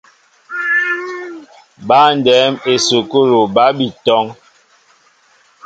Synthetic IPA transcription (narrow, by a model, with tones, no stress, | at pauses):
ba˦n˨dɛː˨˦me˨so˨ko˦ɾo˨ba˦bi˨tɔ˦ŋ